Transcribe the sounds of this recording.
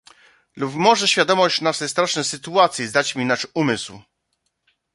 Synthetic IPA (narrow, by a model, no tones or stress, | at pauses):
lupmɔʐɛɕfʲjad̪ɔmɔɕt͡ɕnaʂɛjst̪ɾaʂnɛjsɘt̪uat̪sʲjizd̪at͡ɕmʲinaʂumɘsw